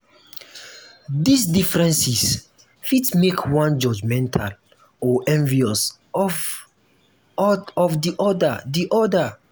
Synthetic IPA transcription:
disdifɹɛ̃nsis | fitmekʰwãnd͡ʒɔd͡ʒmɛ̃ntʰal | ɔʔɛ̃ɱviɔs | ɔ | ɔfdiʔɔdadiʔɔda

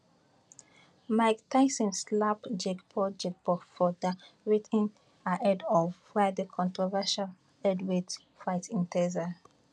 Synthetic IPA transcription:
maɪktʰaɪsə̃nslapd͡ʒɛkpʰɔd͡ʒɛk̚bɔfɔdaɹitʰĩn | aʔɛdɔvwɛdəkʰɔ̃ntɹɔvɛʃal | ɛdwed | faɪtĩntʰɛza

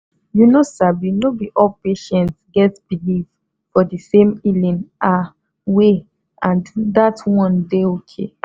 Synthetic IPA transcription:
junosabinobiʔɔlpeʃɛ̃ntsɡɛtb̥ilif | fɔdisẽmilĩnʔa | we | ãnddatwɔ̃ndeokʰḛ

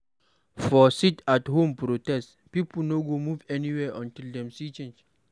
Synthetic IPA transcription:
fɔsitathõmpɾotɛst | pipl̩noɡomuvɛniwɛʔɔ̃ntild̪ɛ̃msit͡ʃẽnd͡ʒ

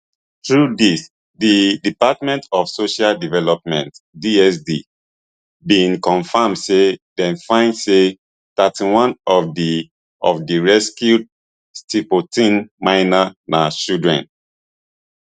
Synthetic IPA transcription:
tɹudis | didipat̚mɛ̃ntɔfsoʃaldivɛlɔp̚mɛ̃ntdiɛsdi | bĩŋkɔ̃nfamdsedɛ̃nfãɪ̃ndse | tatĩwɔ̃nɔfdi | ɔfdiɹɛskjud | stipotĩnmaɪnanat͡ʃildɹɛ̰̃n

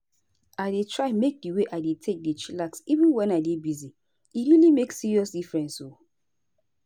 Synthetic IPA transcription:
aɪdetʰɹaɪmek̚diweʔaɪdetʰek̚dit͡ʃilaksivĩnwɛ̃naɪdebizi | iɹilimeksiɹiɔsdifɹɛ̃nso

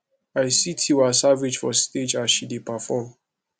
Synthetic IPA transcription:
aɪsitʰiwasaved͡ʒfɔsted͡ʒasʃidepafɔm

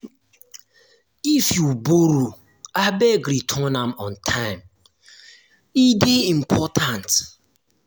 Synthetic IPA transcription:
ifjuboɾu | abeɡɾitʰɔnamɔ̃ntʰãɪ̃m | ideim̩pʰɔtʰãnt

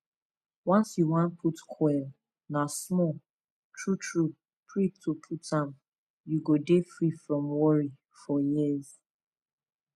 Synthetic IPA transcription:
wãnsjuwãnpʰutkʰwɛl | nasmɔ | tʰɹutʰɹu | pʰɹitʰupʰutʰãm | juɡodefɹifɹɔ̃mwɔɹi | fɔjiz

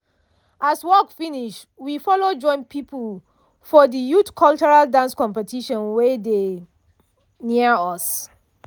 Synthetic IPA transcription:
ʔaswɔkfiniʃ | wifɔlod͡ʒɔ̃ɪ̃npʰipʰul | fɔdijutkʰɔlt͡ʃɔɹaldãnskɔ̃mpɛtiʃɔ̃nwede | niəɔs

